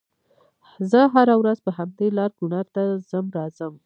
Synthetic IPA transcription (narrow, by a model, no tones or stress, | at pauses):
zəɦaɾawɾazpəɦamd̪elɑɾɡ̥unɑɾt̪azəmɾɑzəm